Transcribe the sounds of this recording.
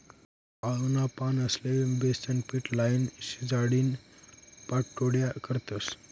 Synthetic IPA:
alunapanəslebest̪ənpiʈlajinsid͡zaɽin | paʈʈːoɽjakəɾt̪əs

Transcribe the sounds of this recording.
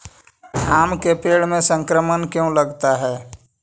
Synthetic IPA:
aːmkepeːɽmẽsə̃ŋkɾəmənkjõləɡt̪aɦɛː

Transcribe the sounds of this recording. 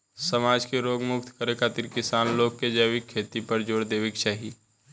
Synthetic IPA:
səmaːd͡ʒkeɾoːɡmʊkt̪kəɾekʰaːt̪ɪɾkɪsaːnloːk̚kːed͡ʒəːʋikʰːeːt̪ipəɾd͡ʒoːɽd̪eːʋekt͡ʃaːɦi

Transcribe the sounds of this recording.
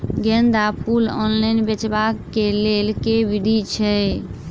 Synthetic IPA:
ɡɛ̃nd̪apulɔ̰nlajnbet͡ʃbakːelelkebiɖit͡ʃʰɛ

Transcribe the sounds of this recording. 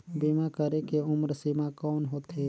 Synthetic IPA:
bimakəɾekeʊmɾsimakɔːnɦoːt̪ɦe

